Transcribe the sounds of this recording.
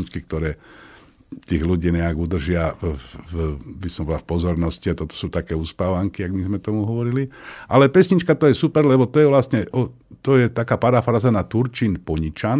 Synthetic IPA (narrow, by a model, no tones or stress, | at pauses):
ɲit͡ʃkik̚t̪ɔɾɛː | t̪iːɣluɟiːɲɛaɡud̪r̩ʒɪa | bisɔmbɔlafpɔzɔɾnɔsciat̪ɔt̪ɔ̥suːt̪akɛːuspaːʋaŋkiaɡmizmɛt̪ɔmuɦɔʋɔɾiliʔalɛpɛsɲit͡ʃkat̪ɔjɛsupɛɾlɛbɔt̪ɔjɛʋlasɲɛʔɔ | t̪ɔjɛt̪akaːpaɾafɾaːzanat̪uɾt͡ʃinpɔɲit͡ʃan